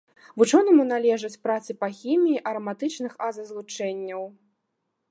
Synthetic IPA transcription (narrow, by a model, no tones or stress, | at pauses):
vut͡ʂɔnɐmunalʲɛʐɐt͡sʲpɾat̪sɨpɐxʲimʲijːʔɐɾɐmat̪ɨt͡ʂnɨxazɐzlˠut͡ʂɛnʲːɐw